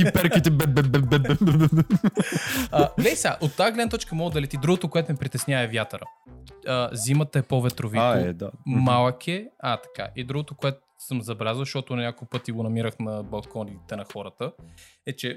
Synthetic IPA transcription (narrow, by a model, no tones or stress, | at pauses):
ipɛɾkit̪ɛbɛbɛbɛbɛɛbɛ | aɡlɛisaʔot̪ːaɡlɛd̪nət̪ɔt͡ʃkəmɔɡd̪ɐlɛt̪id̪ɾuɡot̪okoɛt̪ʊmɛpɾit̪ɛsnʲavɐɛvʲjat̪əɾə̰əzimət̪ɐɛpovɛt̪ɾovinɛd̪amalˠkɛat̪ɐ̥ka̰ʔid̪ɾuɡot̪okoɛt̪ʊ̥səmzɐbɛlʲazəlˠzʃtɔt̪ʊnʲakolˠpɤt̪iɡonɐmiɾəxnɐbɐlˠkɔniit̪ɛnɐxɔɾət̪əɛt͡ʃɛ